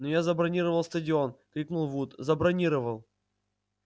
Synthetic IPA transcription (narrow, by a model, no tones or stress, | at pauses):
nojazəbɾɐnʲiɾəvəlˠst̪ədʲɪo̞nkɾʲiknulˠvut̪zəbɾɐnʲiɾəvəlˠ